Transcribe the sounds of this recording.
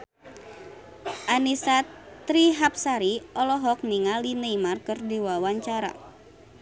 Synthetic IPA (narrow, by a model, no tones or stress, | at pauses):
ʔanisat̪ɾiɦap̚saɾiɔlɔɦɔk̚niŋalinəimarkɨrdiwawaɲt͡ʃaɾa̰